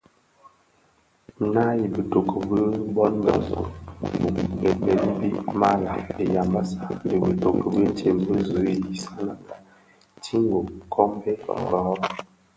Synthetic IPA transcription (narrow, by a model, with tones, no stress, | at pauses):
na˦ji˨bə˨to˨kʰə˨bə˦bɔ˦nbə̰˨zṵ˨bu˨mbɛ˨bɛ˨li˦bḭ˦ʔma˦la˨e˨ja˨mba˦sa˦di˨bə˨to˨kə˨bə˦n̩˦tʰe˨mbə˦zə˨˦˨ji˨sa˦na˦pa˨ | tʰi˦ŋɡo˨kʰɔ˦mbe˦tɔ̰˨ɡɔ˨˦ɔ˦